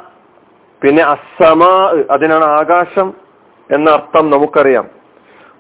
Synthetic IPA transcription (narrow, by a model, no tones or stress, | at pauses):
pinːe̞ɐsɐmaːʔɨʔɐðinaːɳɨaːɡaːʂɐm | e̞nːɐːrt̪ːɐmnɐmukːɐrija̰ːm